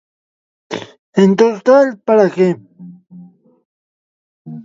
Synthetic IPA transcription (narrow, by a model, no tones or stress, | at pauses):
ent̪oɾt̪alpaɾakem